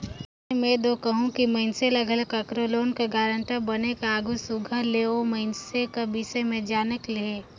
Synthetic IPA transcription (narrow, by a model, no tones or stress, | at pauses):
mẽd̪oːkɐɦũkiməɪnselɐɡʱəlkakɾoːloːnkeɡaːɾə̃ɳʈəbɐnekaaːɡusʊɡʱəleomɐɪnsekabisemẽd͡ʒaːnəklee